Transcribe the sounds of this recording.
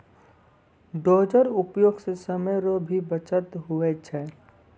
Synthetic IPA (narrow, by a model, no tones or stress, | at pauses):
ɖoːd͡ʒəɾʊpjoːɡsesəməjɾobʱibət͡ʃət̪ɦʊet͡ʃʰɛ